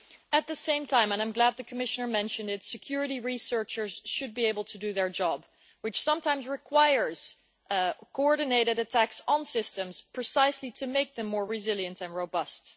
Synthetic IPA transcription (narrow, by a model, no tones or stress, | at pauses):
ɨt̪̚ðɨsẽɪ̃mtʰãɪ̃mə̃nãɪ̃mɡlæd̪̚ðɨkʰəmɪʃənə˞mɛ̃nʃɨ̃ndɨtsɨkʰj̥ʊɹɨɾiɹisɜ˞t͡ʃə˞z̥ʃɨd̚bieɪbl̩ˠtʰɨdɨðə˞d͡ʒɑb | wɨt͡ʃsʌ̃mtʰãɪ̃mzɹɨkʰw̥aɪə˞z̥ | kʰoɔɹɾɨneɪɾɨɾɨtʰæksnsɪstɨ̃mz̥pʰɹ̥ɨsaɪsliɾʰɨmeɪk̚ðɨ̃mːɔɹɹɨzɪlˠjɨ̃ntɨ̃nɹoʊbʌst